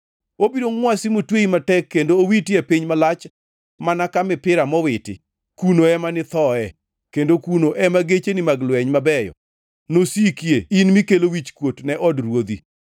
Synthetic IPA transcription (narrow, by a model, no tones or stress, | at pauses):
obiɾoŋŋwasimotweimatɛkːendoːwitiapiɲmalat͡ʃ | manakamɪpɪɾamɔwɪtɪ̰ | kunoɛmanɪt̪ɔɛ | kendokunoʔɛmaɡet͡ʃenɪmaɡlwɛɲmabɛjɔ̰ | nosikjeinmikelowit͡ʃkwotnɛʔɔdrwod̪i